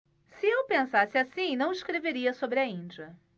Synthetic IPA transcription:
sɪewpẽsasɪasĩnɐ̃w̃iskɾeveɾiɐsobɾɪɐĩd͡ʒɐ

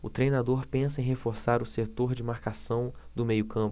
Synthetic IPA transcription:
ʊt̪ɾejnad̪oɾpẽsɐẽj̃ɦefoɾsaɾʊset̪oɾd͡ʒɪmaɾkasɐ̃w̃d̪ʊmejʊkɐ̃p

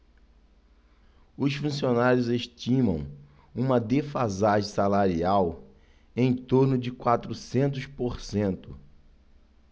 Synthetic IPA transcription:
ʊsfũsionaɾjʊzeʃt͡ʃĩmɐ̰̃w̃ | ũmɐd̪efazaʒẽsalaɾiaw | ẽj̃t̪oɾnʊd͡ʒɪkwat̪ɾʊsẽnt̪̬ʊspoɾsẽnt̪ʊ

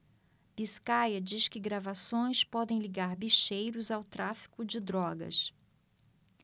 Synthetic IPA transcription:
b̥iskajɐd͡ʒiskɪɡɾavasõj̃spɔd̪ẽj̃liɡaɾbiʃejɾʊzawt̪ɾafi̥kʊd͡ʒɪd̪ɾɔɡɐ̰s

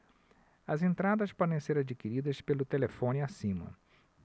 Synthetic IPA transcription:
ɐzẽnt̪ɾad̪ɐspɔd̪ẽj̃seɾad͡ʒikiɾid̪ɐspelʊt̪elefõniasĩmɐ̰

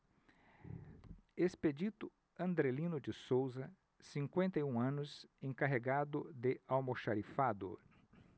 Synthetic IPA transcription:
esped͡ʒit̪ʊ | ɐ̃nd̪ɾelĩnʊd͡ʒɪsowzɐ | sĩŋkwẽnt̪ɐjũɐ̃nʊsẽŋkaɦeɡad̪ʊd̪ɪawmoʃaɾifad̪ʊ̰

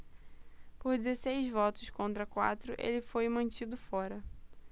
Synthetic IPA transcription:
poɾd͡ʒɪzesejzvɔt̪ʊskõnt̪ɾɐkwa̰t̪ɾʊʔḛlɪfojmɐ̃nt͡ʃid̪ʊfɔɾɐ

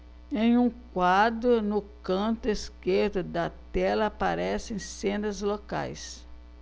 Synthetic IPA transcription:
ẽj̃ũkwad̪ɾʊnʊkɐ̃nt̪ʊeskeɾd̪ʊd̪ɐt̪ɛlɐːpaɾɛsẽj̃sẽnd̪ɐzloka̰js

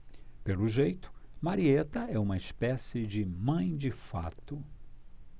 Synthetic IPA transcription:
pelʊʒejt̪ʊ̥maɾiet̪ɐɛũmɐispɛsɪd͡ʒɪmɐ̃j̃d͡ʒɪfa̰t̪ʊ

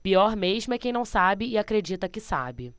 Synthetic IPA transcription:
piɔɾmeʒmʊɛkẽj̃nɐ̃w̃sabɪɪakɾed͡ʒit̪ɐkɪsa̰bɪ

